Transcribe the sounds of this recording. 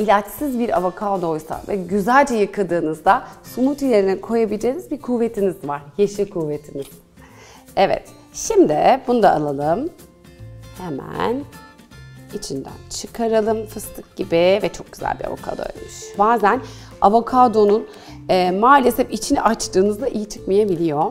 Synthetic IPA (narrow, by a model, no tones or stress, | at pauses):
ilʲat͡ʃsizbiɾavokʰad̪o̞jsa̰vɛɟyzælʲd͡ʒɛjɯkʰad̪ɯːnɯzd̪asumut̪ilʲeɾinikʰo̞jabilʲd͡ʒe̞jinizbiɾkʰuve̞t̪ʰinizvaɾ̥jeʃikʰuːvet̪ʰiniz̥ | ɛvɛ̰t̪ | ʃimd̪ibunud̪aːlˠalˠɯm | hemæ̰n | it͡ʃʰind̪æ̰nt͡ʃʰɯkʰaɾalˠɯmfɯst̪ʰɯk̚ɟibivɛt͡ʃʰo̞k̚ɟy̥zæ̰lʲbḭɾa̰vṵkʰa̰d̪o̰j̰lmyʃbaːzæn | avokʰad̪o̞nun | ɛːmaːlʲesɛfit͡ʃʰiniʔat͡ʃt̪ɯːnɯzd̪aʔijit͡ʃʰɯ̥kmajebilʲijo̞